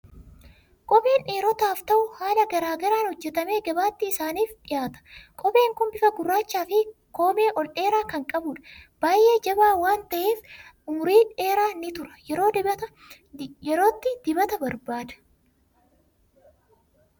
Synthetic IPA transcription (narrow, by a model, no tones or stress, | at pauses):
kʼɔpʼiːnʔeːɾɔt̪aːft̪ɐʔʊhaːlɐɡɐɾaːɡɐɾaːnhɔd͡ʒːɛt̪ɐme̞ːɡɐbaːt̪ːɪɪsaːniːfᶑɪjaːt̪ɐ̥kʼɔbe̞ːŋkʊnbɪfɐɡʊrːaːt͡ʃːaːfɪko̞ːme̞ːʔɔlᶑe̞ːɾaːkɐŋkʼɐbʊᶑɐ̥b̥aːjʔe̞ːd͡ʒɐbaːwaːnt̪ɐʔeːf | ʊmʊɾiːᶑe̞ːɾaːnɪt̪ʊɾɐ̥jɛɾo̞ːd̪ɪbɐt̪ɐ | jɛɾo̞ːt̪ːɪd̪̥ɪbɐt̪ɐbɐɾbaːd̪ɐ̥